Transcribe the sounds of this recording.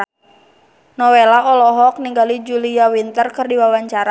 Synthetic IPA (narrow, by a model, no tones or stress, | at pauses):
nɔwelaɔlɔɦɔk̚niŋɡalid͡ʒuliawint̪ərkɨrdiwawaɲt͡ʃaɾa